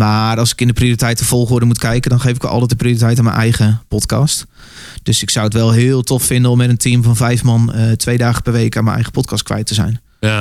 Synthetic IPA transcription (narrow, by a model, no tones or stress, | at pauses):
marɑlˠsɪ̥kɪndəprioːritɛjtəv̥ɔlˠχʊːdəmutkʰɛjkədɔnχejfɪkʋə̰lˠʔɑ̰lˠɛt̚dəprioritɛjtanmɛ̰nʔɛ̰jχəpɔtkɑst | d̥øsɪksawətʋɛlˠɦɪːlˠtʰɔffɪndənɔmːɛtəntʰimvɔnvɛjfmɑntʰʋejdaːχəpɛrʋejkaːnmənʔɛ̰jχə̥pɔt̚kɑstkʋɛ̰jtəzɛ̰jn